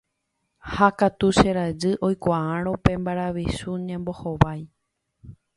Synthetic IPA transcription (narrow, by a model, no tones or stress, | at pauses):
hakat̪uʃeɾad͡ʒɨʔo̞jkʷaãɾ̃õ̞pẽ̞mbaɾaʋisuɲãmbo̞hoʋaj